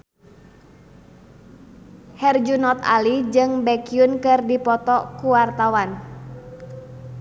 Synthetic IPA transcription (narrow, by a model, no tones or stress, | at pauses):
hɛrd͡ʒunɔt̪a̰lid͡ʒɨŋbɛkiunkɨrdipɔt̪ɔkuwart̪awan